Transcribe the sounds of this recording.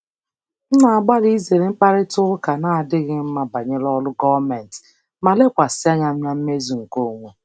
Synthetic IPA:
n̩˦na˨a˨ɡ͡ba˦li˦i˦ze˨ɾe˨ŋ͡m̩˦k͡pa˦ɾɪ˦tʊ˦ʊ˦ka˨na˨a˨dɪ˦ɣɪ˦m̩˦ma˨ba˨ɲe˦lɔ˦lʊ˦ɡɔ˦va˦mɛ˨n˨t | ma˨le˦kʷa˨sa˦ɲa˦m̩˦ɲa˦m̩˦me˦zu˨ŋ̩˨ko˦˨ŋʷe˦

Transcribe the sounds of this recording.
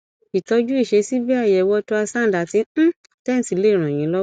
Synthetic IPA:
i˨tɔ˧˦d͡ʒu˦i˦˨ʃe˧si˦bi˦a˦˨jɛ˨wɔ˧tu˦a˧sã˦˨da˨tĩ˧˦ | tɛ˦˨n̩˨si˨le˦˨ɾ̃ã˨j̃ĩ˨˦lɔ˦

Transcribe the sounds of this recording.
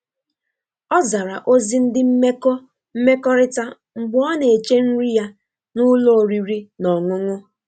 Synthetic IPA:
ɔ˦za˨ɾa˨ʔo˦zi˦n̩˦dɪ˦m̩˦me˦k | m̩˦me˦kɔ˦ɾɪ˦ta˦ | ŋ͡m̩˨ɡ͡bɔ˦ne˨e˨t͡ʃe˦n̩˦ɾi˦ja˦ | nʊ˦lo˦˨ɾi˨ɾi˦nɔ˨ŋʊ˦ŋʊ˦

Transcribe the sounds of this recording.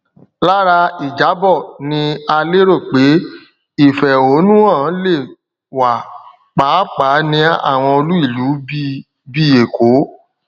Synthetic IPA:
la˦ɾa˧i˨d͡ʒa˨˦bɔ˦˨nĩ˧a˧le˦ɾo˦˨k͡pe˨˦ | i˦˨fɛ˨o˨˦nũ˦ã˦˨˦le˦˨ | wa˨ | k͡pa˨˦k͡pa˨˦nĩ˧˦a̰˦˨w̃ɔ̃˧o˧lu˦i˦˨lu˨˦ | bi˦˨je˨ko˨˦

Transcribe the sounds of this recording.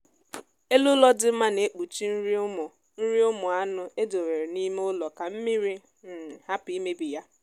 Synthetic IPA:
e˦lʊ˦lɔ˦dɪ˦m̩˦ma˦ne˨˦k͡pu˨t͡ʃi˦n̩˦ɾi˦mʊ˨ | n̩˦ɾi˦ʊ˦mʊ˨a˦nʊ˦e˦do˨ɾe˨ɾe˨ni˦me˦ʊ˦lɔ˨ka˨m̩˦mi˦ɾi˦ | n̩˨ha˦pi˦me˦bi˨ja˦

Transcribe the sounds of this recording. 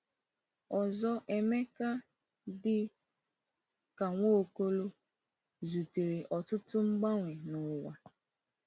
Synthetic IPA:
ɔ˨zɔ˦ʔe˦me˦ka˦ | dɪ˦ | ka˨ŋʷo˦˨ko˦lo˦ | zu˨te˨ɾe˨ʔɔ˨tʊ˦tʊ˦ŋ͡m̩˦ɡ͡ba˦ŋʷe˨nʊ˨wa˨

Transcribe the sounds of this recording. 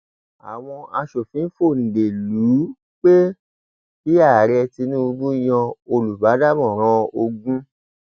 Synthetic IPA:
a̰˨w̃ɔ̃˧a˧ʃo˨fĩ˨˦fo˦˨nĩ˨ɡe˨lu˨˦ | k͡pe˦ | ki˦a˦˨ɾɛ˧ti˧nũ˦u˧bu˦j̃ɔ̃˧o˧lu˨ba˨˦da˦mɔ̃˦˨ɾ̃ɔ̃˧˦o˧ɡũ˦

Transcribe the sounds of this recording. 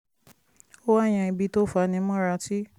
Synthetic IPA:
o˦wa˦˨j̃ã˧i˧bi˧to˦fa˧nĩ˧˦mɔ̃˦ɾa˧ti˦

